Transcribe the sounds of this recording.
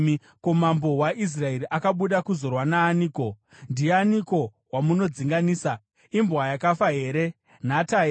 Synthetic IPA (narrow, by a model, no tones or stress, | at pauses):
ko̞mambo̞waʔis̬raeɾiʔakaɓuɗakuzo̞rwanaːniːko̞ | ndijeaniko̞ | wamuno̞d͡ziŋɡaniːsa | imbwajakafaɦe̞ːɾe̞ | natae